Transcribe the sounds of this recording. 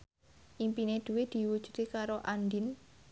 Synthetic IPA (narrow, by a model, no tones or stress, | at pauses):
ʔimpined̪̥ṳwed̪̥i̤wud̥ʒ̥ṳ̥t̪ikaɾoʔandin